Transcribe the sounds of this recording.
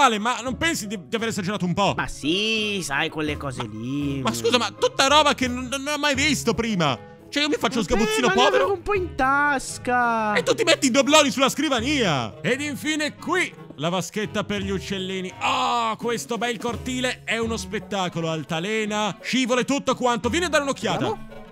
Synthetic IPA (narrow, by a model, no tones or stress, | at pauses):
aːlemanːompɛnsid̪id̪iaveːɾezad͡ʒeɾaːt̪oumpɔma̰sisajkwelːekɔːzḛlimaskuːzamat̪ːut̪ːaɾɔːbakenːonːonːɔmːajvist̪opɾiːma̰ | t͡ʃoɛiomifat͡ʃːooz̬ɡaput̪sːiːnopɔːveɾovumpɔint̪askaet̪ːut̪ːimet̪ːid̪oblɔːnisulːaskɾivaniːa̰ed̪iɱfiːnekwi | lavask̟et̪ːaperʎiut͡ʃːelːiːniɔkwest̪obɛlkort̪iːleɛunospet̪ːaːkoloalt̪alɛːnaʃiːvolet̪ut̪ːokwant̪ovjɛːnead̪aːɾɪunok̟ːjaːt̪a